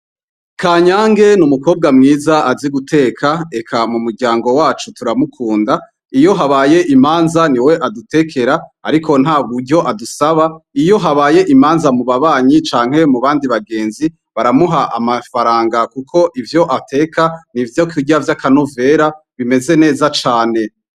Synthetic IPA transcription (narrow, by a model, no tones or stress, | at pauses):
kʰaːɲaːŋɡe̞numuko̞ːb̚ɡamŋiːzaʔaziɡutʰe̞ːkʰae̞kʰamumuɾɟaːŋɡo̞waːt͡ʃutuɾamukʰuːnda | ijo̞ɦaβaːje̞ʔimaːnzaniwe̞ʔadute̞kʰe̞ɾaːa̰ɾikʰo̞n̥aːβuɾɟo̞ʔadusaβaijo̞ɦaβaːje̞ʔimaːnzamuβaβaːɲit͡ʃaːŋ̥he̞muβaːndiβaɡe̞ːnzi | βaɾamuɦaʔa̰mafaɾaːŋɡakukʰo̞ʔivjo̞ʔatʰe̞ːkʰanivjokiɟavjakano̞ve̞ɾa | βime̞ze̞ne̞ːzat͡ʃaːne̞